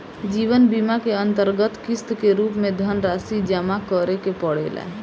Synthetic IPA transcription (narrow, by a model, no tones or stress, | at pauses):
d͡ʒiʋənbimakeənt̪əɾɡət̪kist̪keɾupmed̪ʱənɾasid͡ʒəmakəɾekepəɽḛla̰ɦ